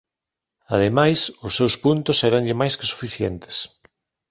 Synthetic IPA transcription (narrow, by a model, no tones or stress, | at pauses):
að̞emajsʊsːewspunt̪ʊsɛɾaŋʎɪmajskɪ̥su̥fiθjent̪ɪ̥s